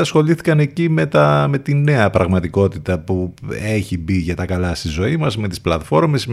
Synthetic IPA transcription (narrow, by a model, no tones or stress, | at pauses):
ɐsxo̞liθi̥kɐne̞cime̞t̪ɐme̞t̪ine̞ɐpɾɐɣmɐt̪iko̞t̪it̪ɐpue̞çibiʝɐt̪ɐkɐlɐst̪izo̞imɐzme̞t̪isplɐt̪fo̞ɾme̞s